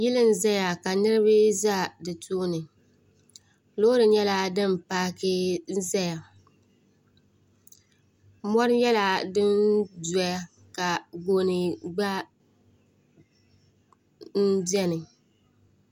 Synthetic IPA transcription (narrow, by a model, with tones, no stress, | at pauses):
jɪ˦lɨ˦n̩˦za˦ja˨ka˨nɨ˦ɾɨ˦bɨ˦za˦˨dɨ˨tʰuː˦nɨ˨ | lo˦ɾɨ˨ɲɛ˦la˦dɨ˦m˨paː˦ke˦n̩˦za˦ja˨ | mɔ˦ɾɨ˦jɛ˦la˨dɨ˦nda˨ja˦ | ka˨ɡo˨nɨ˨ɡ͡ba˦ | n̩˦dɛ˦nɨ˨